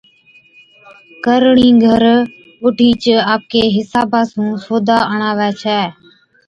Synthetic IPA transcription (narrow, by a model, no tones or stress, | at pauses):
kəɾɳĩːɡʱəɾ | ʊʈʰiːt͡ʃaːp̚keːɦɪsaːbaːsũːsoːd̪ʱaːəɳaːʋɛːt͡ʃʰɛː